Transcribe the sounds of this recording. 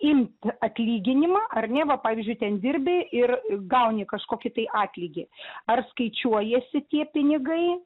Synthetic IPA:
ɪmt̪ɐt̪ʲlʲiːɡʲɪnʲɪmɑːʔɐrnʲɛʋɐpɑːʋʲiːzʲd͡ʒʲʊɪt̪ʲɛnd̪ʲɪrʲbʲɪɪrɡɐʊnʲɪkɐʃkoːkʲɪt̪ɐɪʔɑːt̪ʲlʲiːɡʲɪɐrskɐɪt͡ʃʲuɔjɛsʲɪt̪ʲiɛpʲɪnʲɪɡɐɪ

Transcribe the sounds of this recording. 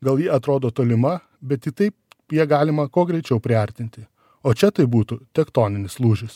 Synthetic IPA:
ɡɐlˠjiːɐt̪ɾoːd̪oːt̪oːlʲɪmɐ | bʲɛt̪jʲɪt̪ɐɪp | jiɛɡɑːlʲɪmɐkoːɡɾʲɛɪt͡ʃʲɛʊpʲɾʲɪɐɾʲt̪ʲɪnʲt̪ʲɪ | oːt͡ʃʲɛt̪ɐɪbuːt̪ʊt̪ʲɛkt̪oːnʲɪnʲɪslˠuːʒʲɪs

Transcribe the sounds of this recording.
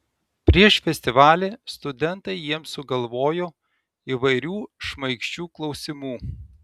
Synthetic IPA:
pʲɾʲiɛʃfʲɛsʲt̪ʲɪʋɑːlʲeːst̪ʊd̪ʲɛnt̪ɐɪjiɛmsʊɡɐlˠʋoːjoː | iːʋɐɪɾʲuːʃmɐɪkʃʲt͡ʃʲuːklˠɒʊsʲɪmuː

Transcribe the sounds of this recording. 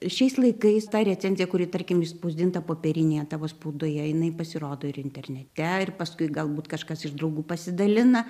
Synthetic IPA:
ʃʲɛɪslˠɐɪkɐɪst̪ɑːɾʲɛt͡sʲɛnʲzʲɪjɛkʊɾʲiːt̪ɐrʲkʲɪmɪʃspoʊzʲd̪ʲɪnt̪ɐpoːpʲɛɾʲɪnʲeːjɛt̪ɑːʋoːspoʊd̪oːjɛjɪnɐɪpɐsʲɪɾoːd̪oːɪɾɪnʲtʲɛrʲnʲɛt̪ʲɛɪrpɐskʊɪɡɐlˠbuːt̪kɐʃkɐsɪʒd̪ɾɐʊɡuːpɐsʲɪd̪ɐlʲɪnɐ

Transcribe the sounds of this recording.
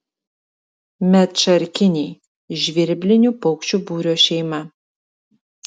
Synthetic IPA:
mʲɛt̪t͡ʃɐɾʲkʲɪnʲiː | ʒʲʋʲɪɾʲbʲlʲɪnʲupɔʊkʃʲt͡ʃʲubuːɾʲoːʃʲɛɪmɐ

